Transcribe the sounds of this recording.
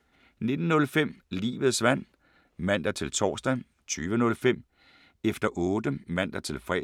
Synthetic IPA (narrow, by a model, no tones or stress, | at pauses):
ne̝d̥n̩ːɔ̽lfem̰lḭːʋð̞̩ˠsʋæn̰ | mæn̰d̥ɐt͡sʰe̝lt͡sʰɒ̰ːsd̥æ | t͡sʰyːʋənɔ̽lfem̰ | efd̥ɐʔɔ̽ːd̥əmæn̰d̥ɐt͡sʰe̝lfʁɛ̰